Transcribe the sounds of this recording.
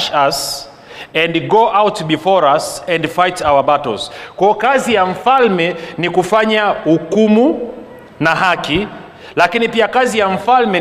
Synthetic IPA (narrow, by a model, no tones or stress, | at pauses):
ʃas | ɛ̃ndɡɔʔawtbifɔɹasɛ̃ndfajtawabatɔ̰lz̥kwaɔkazijaɱ̩falmɛnikufaɲahukumu | nahaki | lakinipiakazijaɱ̩falmɛ